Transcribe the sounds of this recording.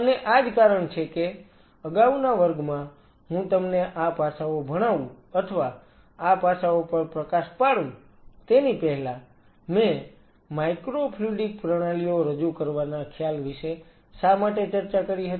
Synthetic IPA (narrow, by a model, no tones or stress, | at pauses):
əneʔad͡ʒkaɾəɳt͡ʃʰeke | əɡaʋnaʋəɾɡmã | ɦũt̪əmneʔapasaobʱəɽ̃aʋũ | ət̪ʰəʋaː | pasaopəɾpɾəkaʃpaɽũ | t̪enipɛɦla | mẽ | majkɾopʰluɖik̚pɾəɽ̃alijoɾəd͡ʒukəɾʋanakʰjalʋiʃe | ʃamaʈet͡ʃəɾt͡ʃakəɾiɦət̪i